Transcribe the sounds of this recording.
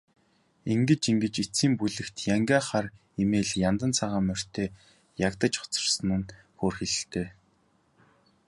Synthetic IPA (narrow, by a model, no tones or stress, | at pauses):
iŋɡɘ̆t͡ɕiŋɡɘ̆t͡ɕit͡siːmpuɮɘ̆kt̪ʰjaŋɡaːχar | imeːɮjant̪ə̆nt͡sʰaʁaːmœr̥t̪ʰeː | jakt̪ə̆t͡ɕχʊ̥t͡sə̥̆rsə̆nɘ̆n | xoːrxeɮɘ̆ɬt̪eː